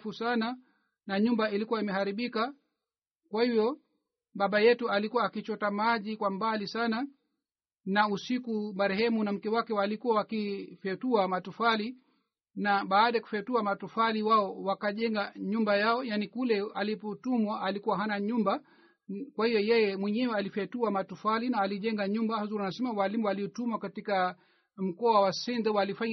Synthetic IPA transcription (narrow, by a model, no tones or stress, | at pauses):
fusana | naɲumbailikuwaimɛhaɾiɓika | kwahivjɔ | ɓaɓajɛtualikuwaːkit͡ʃɔtamaʄikwambalisana | nausikumaɾɛhɛmunam̩kɛwakɛwalikuwawakifɛtuamatufali | naɓaːɗajaku̥fɛtuamatufaliwaɔwakaʄɛŋɡaɲumbajaɔjanikulɛalipɔtumwaʔalikuwaɦanaɲumba | kwahijɔjɛjɛmwɛɲɛwɛalifɛtuamatufalinaːliʄɛŋɡaɲumbahazuɾanasɛmawalimuwaliɔtumwakatika | m̩kɔawasindɛwalifaɲ